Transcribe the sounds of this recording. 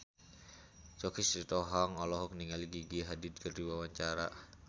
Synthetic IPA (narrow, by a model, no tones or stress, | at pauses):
t͡ʃɔkisit̪ɔɦaŋɔlɔɦɔk̚niŋaliɡiɡiɦadid̪̚kʰərdiwawaɲt͡ʃaɾa